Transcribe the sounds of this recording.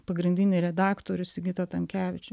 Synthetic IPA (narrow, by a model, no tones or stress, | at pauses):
pɐɡɾʲɪnʲd̪ʲɪnʲɪɾʲɛd̪ɑːkt̪oːɾʲʊsɪɡʲɪt̪ɐt̪ɐmʲkʲæːʋʲɪt͡ʃʲʊ